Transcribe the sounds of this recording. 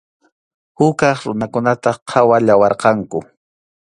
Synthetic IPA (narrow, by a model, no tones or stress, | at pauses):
hʊkɑχɾʊnakʊnat̪aqʰɑwaʎawɑɾqɑŋkʊ